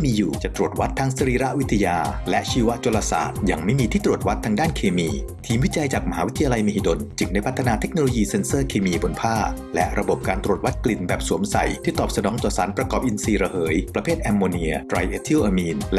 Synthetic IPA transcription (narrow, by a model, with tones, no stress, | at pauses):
iː˥˩miː˧juː˨˩t͡ɕa˨˩t̪ɾu˨˩ət̪̚wa˦˥t̪ʰːa˦˥ŋsa˧ɾiː˧ɾa˦˥ʔwi˦˥t̪ʰːa˧jaː˧lɛ˦˥ʔt͡ɕʰiː˧˩wa˦˥ʔt͡ɕla˧sa̰ː˨˩t̪̚ja˧ŋma˥˩jmiː˧t̪ʰiː˥˩t̪ɾu˨˩ət̪̚wa˦˥t̪ʰːaː˧ŋdaː˥˩nkʰeː˧miː˧t̪ʰiː˧mwi˦˥t͡ɕa˧jt͡ɕaː˨˩k̚ma˧ɦaː˩˦wi˦t̪ʰːa˧jaː˧la˧jmeː˧hi˨˩do˧nt͡ɕɯ˨˩ŋdaː˧˩jpʰt̪ʰːa˧naː˧t̪ʰe˦˥k̚noː˧loː˧jiː˧se˧nsɤː˥˩kʰeː˧miː˧bo˧npʰaː˥˩ | lɛ̰˦˥ʔɾa˧bo˨˩p̚kaː˧nt̪ɾu˨˩ət̪̚wa˦˥t̪̚kli˨˩nbɛː˨˩p̚su˨˩˦əmsa̰˨˩jt̪ʰiː˥˩t̪ɔː˨˩p̚sa˧nɔː˩˦ŋt̪ɔː˨˩sa̰ː˩˦npɾa˧kɔː˨˩p̚ʔi˧nsiː˧ɾa˧hɤː˩˦jpɾa˧pʰeː˥˩t̪̚ʔɛː˧mːoː˧ni˧ɐt̪ɾa˧jʔeː˧t̪ʰi˥˩wʔaː˧miː˧nl